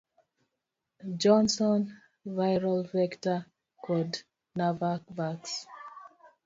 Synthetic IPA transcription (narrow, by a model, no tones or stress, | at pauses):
d͡ʒɔ̃nsɔ̃n | vajɹalvɛkta | kkʰɔd | navavaks